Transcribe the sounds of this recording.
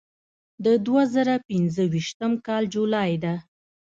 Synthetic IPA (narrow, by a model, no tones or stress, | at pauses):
d̪əd̪wazəɾapɪnzəwiʃt̪əmkɑld͡ʒulɑjd̪a